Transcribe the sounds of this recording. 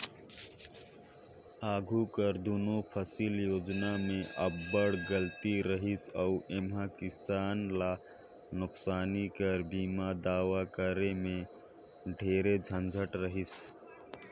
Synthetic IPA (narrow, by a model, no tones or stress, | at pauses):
aːɡʱukəɾd̪oːnopʰəsiːljoːd͡ʒnamẽʔəbːəɽɡəlt̪iɾəɦɪsɔuʔemɦakɪsaːnla | nʊksaːnikəɾbiːmad̪aːwakəɾemẽ | ɖʱeːɾed͡ʒʱə̃nd͡ʒʱəʈɾəɦɪs